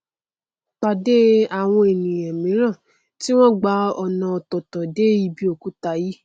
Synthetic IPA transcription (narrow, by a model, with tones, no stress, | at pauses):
k͡pa˨de˦a˨w̃ɔ̃˧e˨nĩ˨jɛ̃˨mĩ˨˦ɾ̃ã˦˨ | ti˦w̃ɔ̃˦ɡ͡ba˧˦ɔ˧nã˧ɔ˧tɔ˨tɔ̃˨de˦i˧˦bi˦o˦˨ku˦ta˧ji˦